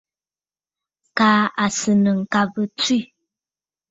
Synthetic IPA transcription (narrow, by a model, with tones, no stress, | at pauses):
ka˨˦a˨sɨ˨nə˨ŋ̩˨ka˦bə˦t͡swi˦˨